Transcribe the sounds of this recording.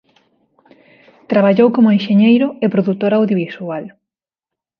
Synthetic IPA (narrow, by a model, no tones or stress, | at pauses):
t̪ɾaβaʎowkomʊenʃeɲejɾʊepɾoðut̪oɾaːwðjoβisual